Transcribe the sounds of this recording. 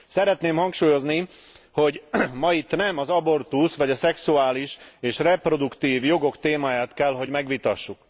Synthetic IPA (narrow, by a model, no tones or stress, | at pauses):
sɛɾɛt̪neːmhɒŋkʃuːjo̞zni | ho̞ɟmɒit̪ːnɛmɒzɒbo̞rt̪usʋɒɟɒsɛksuaːliʃeːʃrɛpro̞d̪ukt̪iːvjo̞ɡo̞kt̪eːmaːjaːt̪kɛlɦo̞ɟmɛɡʋit̪ɒʃːuk